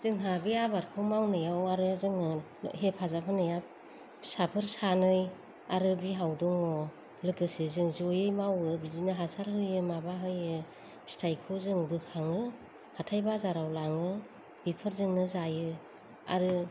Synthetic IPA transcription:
z̥ɯŋɦabiabaɾkʰɯmawnɯjawaɾɯazɯŋɯ | ɦep̚ʰazapʰɯnɯjap̚ | sapʰɯɾsanɯj | aɾɯbiɦawduŋɔ | lɯkɯsezɯŋzojɯjmawɯbidinɯɦasaɾɦɯjɯmabaɦɯjɯ | bi̥stʰajkʰuzɯŋbɯkʰaŋɯ | hatʰajbazaɾawlaŋɯ | b̥ipʰɯɾzɯŋnɯzajɯ | a̰ɾɯ

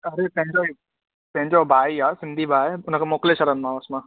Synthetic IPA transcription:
ɐɾet̪ẽɦɲd͡ʒoi | t̪eɦɲd͡ʒobʱaːiɦasɪnd̪ʱibʱaːjʊnkemoːkleʃɐɾənmãəsmã

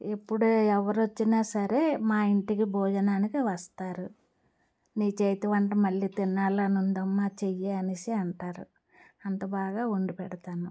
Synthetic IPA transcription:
epːuɽuɛʋɐɾot͡ʃːinaːsɐɾe̞ːmaːiɳʈikibʱɔːd͡ʒɐnaːnikiʋɐst̪aːɾu | niːt͡ʃejt̪iʋɐɳʈɐmɐɭːiːt̪inːaːlɐnund̪ɐmːaːt͡ʃejeɐnisiɐɳʈaːɾṵ | ɐnt̪ɐbaːɡaːuɳɖipɛɽɐt̪aːnu

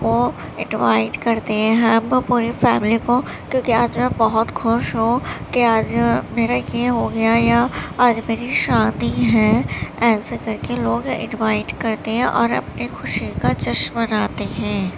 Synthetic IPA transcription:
ko | ɪ̃nʋa̰ːɪʈkɐɾt̪eɦɛ̃ɦɐmpuːɾifɛːmɪliko | kjõːkiaːd͡ʒmɛ̃bɐɦʊt̪xʊʃɦõkeaːd͡ʒmeːɾajeɦoɡɐjajaaːd͡ʒmeːɾiʃãːd̪iɦɛ̃ɛːsekɐɾkeloːɡɪ̰̃nʋaːɪʈkɐɾt̪eɦɛ̃ʔɔːɾɐ̰pnixʊʃikat͡ʃɐʃbɐnaːt̪eɦɛ̃ː

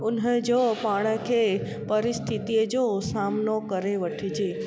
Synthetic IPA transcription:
unɦed͡ʒopaɽ̃əkʰe | pəɾist̪ʰit̪ied͡ʒosamnokəɾeʋəʈʰid͡ʒe

